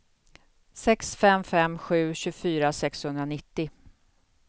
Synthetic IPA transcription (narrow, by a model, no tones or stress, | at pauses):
sɛksfɛmfɛmɧʉ̟ːɕɵfyːɾasɛkshɵnɾanɪt̪ːɪ